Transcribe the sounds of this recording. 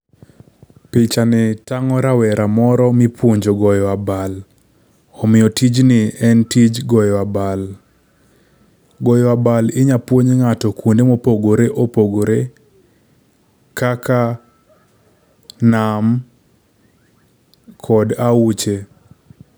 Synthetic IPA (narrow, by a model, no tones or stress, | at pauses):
pɪt͡ʃanɪtaŋɔɾawɛɾamɔɾɔmɪpwoɲd͡ʒoɡɔjɔabal | ɔmɪjɔtid͡ʒnɪɛntid͡ʒɡɔjɔabal | ɡɔjɔabalɪɲapwoɲŋatɔkundemopoɡoɾeʔopoɡoɾe | kaka | nam | kʰɔdaut͡ʃe